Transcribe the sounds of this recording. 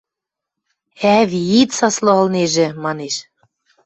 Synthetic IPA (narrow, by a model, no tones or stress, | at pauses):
æβit̪sɑslŏə̆lneʒĕmɑneʃ